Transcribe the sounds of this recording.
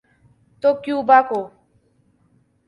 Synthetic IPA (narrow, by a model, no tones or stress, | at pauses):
t̪oːkjũːbaːkoː